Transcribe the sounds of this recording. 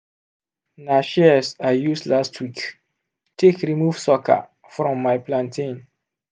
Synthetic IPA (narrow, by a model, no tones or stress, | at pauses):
naʃisajusdlastʰwik | tʰekɾimuv̥sɔkʰa̰ | fɹɔ̃mːajplãntʰĩn